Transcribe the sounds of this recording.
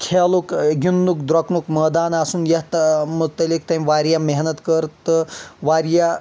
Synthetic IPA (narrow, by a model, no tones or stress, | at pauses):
kʰelukɡʲunːukd̪ɾɐknukməːd̪aːnasuːnjɐɦt̪mut̪ːɐlik̚t̪ɐmʋaːɾjameɦnət̪kəɾt̪əʋaːɾja